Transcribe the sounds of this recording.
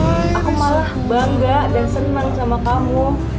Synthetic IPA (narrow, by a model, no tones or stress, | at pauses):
akumalahbaŋɡadansənansamakamu